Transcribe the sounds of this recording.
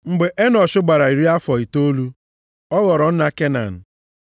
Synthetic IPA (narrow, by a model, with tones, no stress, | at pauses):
ŋ͡m̩˨ɡ͡be˨ʔe˦nɔ˨ʃʊ˦ɡ͡ba˨ɾa˨i˨ɾi˦a˦fɔ˨i˨to˦lu˦ | ɔ˦ɣɔ˨ɾɔ˨n̩˦na˦ke˦na̰˨n̩˨